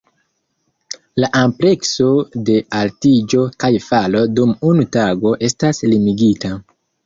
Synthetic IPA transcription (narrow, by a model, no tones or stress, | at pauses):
laʔample̞kso̞de̞altid͡ʒo̞kajfalo̞dumunutaɡo̞ʔe̞staslimiɡita